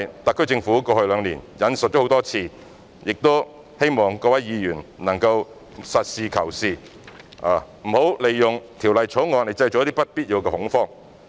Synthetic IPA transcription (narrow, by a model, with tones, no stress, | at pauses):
jt̪ɐ˨kʰːt͡sɪ˧ŋfuː˨˥kɔː˧hɵ˧ɥlœː˨˧ŋliː˨˩njɐ˨˥nsɵ˨t̚ɔ˦˥ht̪ɔː˥t͡sʰiː˧ | jɪ˨k̚t̪o˥ | he˥jmɔː˨˩ŋkɔː˧wɐ˨˥jjiː˨˧jyː˨˩nnɐ˨˩ŋkɐ˧w | sɐ˨t̚siː˨˧kʰɐ˨˩wsiː˨˧ | a˨m̩˨˩ho˨˥wle˨jːʊ˨ŋt̪ʰi˨˩wlɐ˨jt͡ʃʰo˨˥ŋɔː˧ne˨jt͡sɐ˧jt͡ɕo˨jt̪i˥pɐ˥t̚piː˥t̚ji˨˧wkɛː˧hʊ˨˥ŋfɔː˥˩ŋ